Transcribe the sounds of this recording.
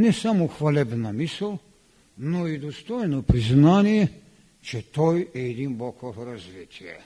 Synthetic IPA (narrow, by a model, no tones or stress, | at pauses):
nɛsamɔxʋalɛbnamisəl | nɔid̪ɔst̪ojnɔpɾiznaːnjɛ | t͡ʃɛt̪ojɛd̪imbɔkʰɔɦɔɾazʋet̪ja